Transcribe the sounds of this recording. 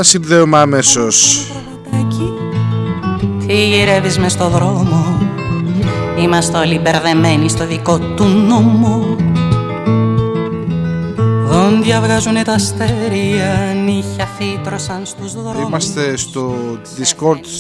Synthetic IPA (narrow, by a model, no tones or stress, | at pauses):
ɐsinðeumeɐmesos | ci | t̪ʰiiɾe̞vizmest̪o̞ðɾo̞mo | imɐst̪olibe̞ɾðe̞me̞nist̪o̞ðiko̞t̪unomu | ðonðjɐvɣɐzunet̪ɐst̪eɾiɐniçɐθit̪ɾo̞sɐnst̪uzðɾoimɐst̪est̪oðiskoɾt̪